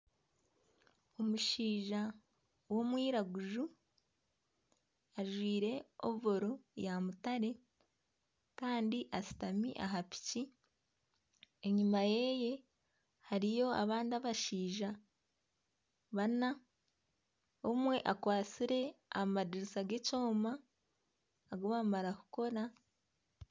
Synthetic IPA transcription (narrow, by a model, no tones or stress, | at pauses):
o̞muʃiːʒa | wo̞mwiːɾaɡuʒu | aʒwiːɾe̞oβo̞ɾojamutaɾe̞ | kaːndiʔasi̥tamḭʔa̰ɦapi̥ci | eɲumaje̞je̞ | haɾijo̞a̰βaːndiaβaʃiːʒa | βana | omwe̞ʔakwaːt͡siɾe̞amadiɾisaɡe̞co̞ːma | ɡoβamaɾaku̥ko̞ɾa